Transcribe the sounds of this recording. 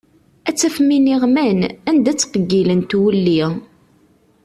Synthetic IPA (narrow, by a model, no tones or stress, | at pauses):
æt͡sːæfminiʁmænænd̪æt͡sːqəɡːilənt̪wəlːi